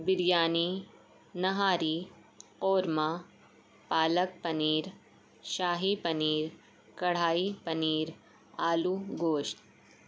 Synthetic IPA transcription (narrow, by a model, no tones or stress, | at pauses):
bɪɾjaːni | nɐɦaːɾi | qoːɾma | paːlək̚pɐniːɾ | ʃaːɦipɐniːɾ | kɐɽ̤aːipɐniːɾ | aːluɡoːʃt̪̚